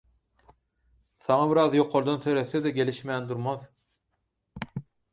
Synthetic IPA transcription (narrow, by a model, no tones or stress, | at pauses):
sɑɴɑbɪɾɑðjoqʰːoɾd̪ɑnsøjɾesed̪ɛɡʲeliʃmeænd̪uɾmɑð